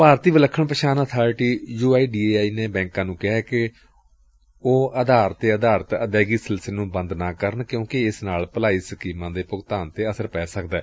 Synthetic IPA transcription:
paːɾt̪iːʋələkʰːəɳpəʃaːnaːt̪ʰaːɾʈiːjuːaːiːɖiːeːaːiːneːbɛ̃ːŋkãːnũːkɪɦɛːkɪ | oːəd̪aːɾt̪eːəd̪aːɾət̪əd̪ɛːɡiːsɪlslenũːbə̃nd̪nãːkəɾəɳkjõːkɪɪsnaːlpəlaːiːsəkiːmãːd̪eːpʊɡt̪aːnt̪eːəsəɾpɛːsəkd̪ɛː

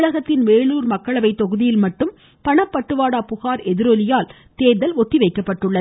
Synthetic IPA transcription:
ɭɐɣɐt̪ːɪnʋeːɭuːɾmɐkːɐɭɐʋɐɪt̪ːɔɣɯðɪjɪlmɐʈːɯm | pɐɳɐpːɐʈːɯʋaːɽaːpʊɣaːɾɛðɪɾolɪjaːl | t̪eːɾðɐlɔt̪ːiʋɐɪkːɐpːɐʈːɯɭːɐ

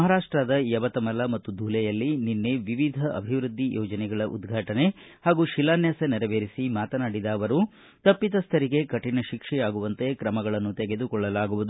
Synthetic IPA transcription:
ɐɦaɾaːʂʈɾad̪ɐjɐʋɐt̪ɐmɐlɐmɐt̪ːud̪ʱuːlɛjɐlːininːeʋiʋid̪ʱɐʔɐ̰bʱiʋɾud̪ʱːijʔɔːd͡ʒɐnɛɡɐɭɐʔṵd̪ɡʱaːʈɐne̞ | haːɡuʃilaːnjɐsenɛɾɐʋeːɾisimaːt̪ɐnaːɽid̪aːʋɐɾu | t̪ɐpːit̪ɐst̪ʰɐɾiɡe̞kɐʈinɐʃikʂɛjaːɡuʋɐnt̪e̞kɾɐmɐɡɐɭɐnːut̪ɛɡe̞d̪ukɔɭːɐlaːɡuʋud̪u

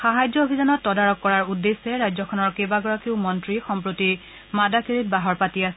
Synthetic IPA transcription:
xaɦajd͡ʒɔobʱizanɔtːɔdaɹɔkːɔɹaɹudːesːɛɹajzɔkʰɔnɔɹkebaɡɔɹakeʊmɔntɹixɔmpɹoti | madakiɹit̚baɦɔɹpatiasɛ

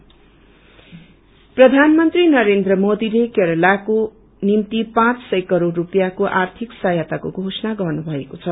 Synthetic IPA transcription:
prʌd̪ʱanmʌnt̪rinʌɾend̪rʌmod̪ilekeɾʌlako | nimt̪ipãt͡ssʌjkʌɾorːupjakoʔart̪ʰiksajat̪akoɡʱosʌnaɡʌrnubʱʌekot͡sʰʌ

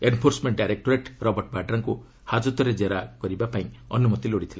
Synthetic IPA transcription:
enpʰoɾsmeɳʈɖajɾek̚ʈoɾeʈɾɔbɔɾʈbaɖɾaŋku | had͡ʒut̪ɔɾed͡ʒeɾakɔɾibapaĩɔnumɔt̪iloɽit̪ʰila

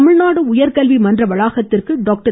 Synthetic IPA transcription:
mɪɻnaːɽɯʊjɐɾkɐlʋimɐndrɐʋɐɭaːɣɐt̪ːɪrkɯɖaːk̚ʈɐ

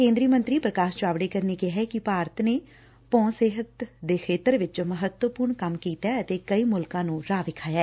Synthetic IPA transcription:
kẽːnd̪ɾiːəmənt̪ɾiːpɾəkaːʃt͡ʃaːʋɽeːkəɾneːkɪɦɛːkɪpaːɾət̪neː | pɔ̃ːseːɦət̪d̪eːkʰeːt̪əɾʋɪt͡ʃːməɦət̪wəpʊːɾɳkəmkiːt̪aːət̪eːkəiːmʊlkãːnũːɾaːʋɪkʰaːjaː

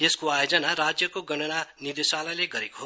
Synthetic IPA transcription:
eskoajod͡zʌnaɾad͡zjʌkoɡʌɽ̃ʌnanid̪esalʌjleɡʌɾekoɦo

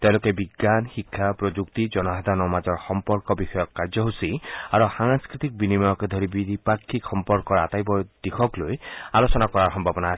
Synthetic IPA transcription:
t̪ewlokebiɡːanxikʰːapɾɔd͡ʒukt̪id͡ʒɔnɔɦad̪ʱanɔmad͡ʒɔɾxɔmpɔɾkɔbixɔjɔkːaɾd͡ʒɔɦusiaɾusaŋskɾit̪ik̚binimajɔked̪ʱɔɾibiipakʰːikxɔmpɔɾkɔɾat̪ajbɔd̪̥ikʰɔklojalosɔnakɔɾaɾɦɔmbʱabɔna

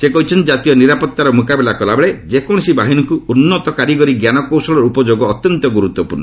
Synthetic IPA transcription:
sekɔɦit͡ʃʰɔnd͡ʒat̪ijɔniɾapɔt̪ːaɾɔmukabelakɔlabeɭed͡ʒekɔɽ̃ɔsibaɦinɔŋkuunːɔt̪ɔkaɾikɔɾiɡjanɔkowsɔɭɔɾupɔd͡ʒoɡɔːt̪jɔnt̪ɔɡuɾut̪wɔpuɾnːɔ

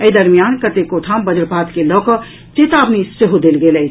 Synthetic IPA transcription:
əid̪ɐɾmijaːnkɐt̪ekot̪ʰaːmbɐd͡ʒəɾpaːt̪kelɔːkə | t͡ʃet̪aːbniseɦod̪eːlɡelə

